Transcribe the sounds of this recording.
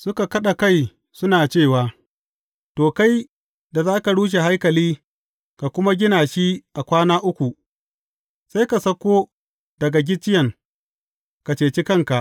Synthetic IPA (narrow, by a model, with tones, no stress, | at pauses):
sʊ˦ka˨kɐ˦ɗa˨ka˦j | sʊ˦naː˨t͡ʃeː˦˨waː˨ | toː˨ka˦j | da˨zaː˦ka˨ɽuː˦ʃ̬e˨ɦa˦jkɐ˨liː˦ | ka˨kʷʊ˦ma˦ɡʲɪ˦naː˨ʃi˦ʔa˨kʷaː˦naː˦ʔʊ˦kʷu˨ | sa˦jka˨sɐ˦kʷːoː˦ | d̥ɐ˨ɡa˨ɡʲɪ˦t͡ʃːɪ˦jɐ˨ŋ | ka˨t͡ʃeː˨t͡ʃɪ˦kɐ˦ŋka˨ʔ